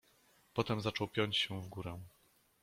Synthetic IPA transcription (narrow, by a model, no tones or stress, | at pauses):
pɔt̪ɛmzat͡ʂɔwpʲjɔɲt͡ɕɕɛvɡuɾɛ̃